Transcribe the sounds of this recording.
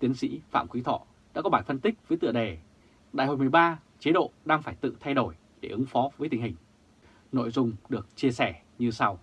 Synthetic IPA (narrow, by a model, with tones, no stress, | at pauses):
t̪i˨˦ənsḭ˧˥fa̰ː˧˨mkwi˨˦t̪ʰɔ̰˧˩˨ | ɗa̰ː˧˥kɔ˨˦ɓaː˧˩jfə˧nt̪ï˦˥k̚vəː˨˦jt̪ɨ̰˧˨əɗe˨˩ | ɗa̰ː˧˨jho̰˧˨˩m˨˩jɓaː˧ | t͡ɕe˨˦ɗo̰˧˨ɗaː˧ŋfaː˧˩jt̪ɨ̰˧˨t̪ʰa˧jɗo˧˩j | ɗe˧˩ʔɨ˨˦ŋfɔ˨˦vəː˨˦jt̪ï˨˩ŋ̟hï˨˩ŋ̟ | no̰˧˨jzʊ˨˧ŋ͡mɗɨ˨˩ək̚t͡ɕi˧əsɛ˧˩ | ɲɨ˧sa˧w